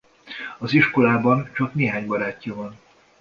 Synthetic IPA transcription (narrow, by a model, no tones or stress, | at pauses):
ɒziʃko̞laːbɒnt͡ʃɒkneːɦaːɲbɒɾaːcːɒvɒn